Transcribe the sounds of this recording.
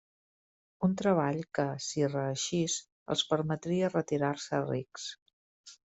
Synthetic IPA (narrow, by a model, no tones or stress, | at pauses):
unt̪ɾəβ̞aʎkəsirəːʃis | ə̰lˠspəɾmət̪ɾiərət̪iɾaɾsəriks